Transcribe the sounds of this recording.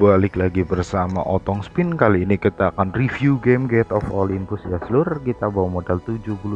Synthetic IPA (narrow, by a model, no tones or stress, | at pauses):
balɪklaɡibərsama̰ʔɔt̪ɔŋspɪnkaliːnikit̪akanrifjuɡemɡet̪ɔfolɪmpʊsjasəlʊrkit̪abawamodalt̪ud͡ʒʊhpul